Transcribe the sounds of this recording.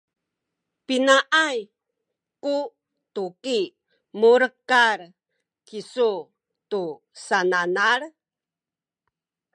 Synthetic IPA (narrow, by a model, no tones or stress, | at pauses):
pinaʔaj | ku | tuki | muɾkaɾ | kisu | tu | sananaɾ